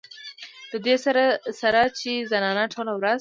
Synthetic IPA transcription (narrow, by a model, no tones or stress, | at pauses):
d̪̥əd̪esaɾasaɾat͡ʃezanɑnaʈʰolawɾaz